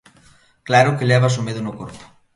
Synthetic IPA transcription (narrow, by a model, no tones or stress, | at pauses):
klaɾokeʎɛβas̬umeðunukoɾpu̥